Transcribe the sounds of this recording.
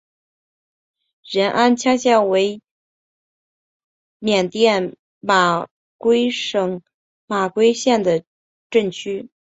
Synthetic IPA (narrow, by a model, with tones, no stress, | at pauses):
ɻə˧˥nʔa˥nt͡ɕʰja˥ɕjɛ˥˩ŋwe˧˥ɪ | mjɛ˨˩nt̪jɛ˥˩n | ma˨˩ | kwe˥ɪʂɤ˨˩ŋ | ma˨˩kwe˥ɪɕjɛ˥˩nd̪ə˩ | ʈ͡ʂə˥˩ŋt͡ɕʰy˥